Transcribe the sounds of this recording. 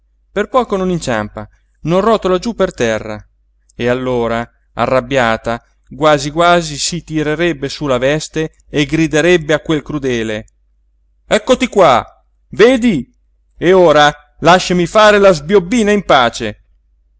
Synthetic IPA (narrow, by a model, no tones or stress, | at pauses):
perpɔːkononint͡ʃa̰mpa̰ | nonrɔt̪olad͡ʒupːert̪ɛrːa̰ | ealːoːɾa | a̰rːabːjaːt̪a | ɡwaːziɡwaːzisit̪iɾeɾɛbːesulavɛst̪eː | ɡɾid̪eɾɛbːeakːwelkɾud̪ɛːle | ɛkːot̪ikwa | veːd̪i | eoːɾa | laʃːamifaːɾelazbjobːiːnaimpaːt͡ʃe